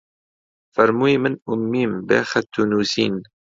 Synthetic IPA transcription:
fɐɾmuːimɨnʊmːiːmbḛːxɛt̪ʰːunuːsḭːn

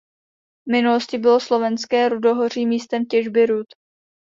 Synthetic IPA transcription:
vmɪnuloscɪbɪloslo̞vɛnskɛːɾudo̞ɦor̝iːmiːst̪ɛmcɛʒbɪɾut̪

